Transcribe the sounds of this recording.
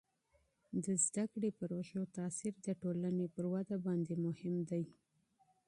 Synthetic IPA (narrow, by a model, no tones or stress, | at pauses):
d̪əzd̪akɽepəɾoʃot̪ɑsiɾd̪əʈolanepəɾwad̪abɑnd̪emʊhɪmd̪aj